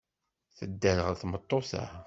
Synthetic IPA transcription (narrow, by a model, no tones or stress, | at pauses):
θəd̪ːænəʁəθmət̪ˤːoθə̰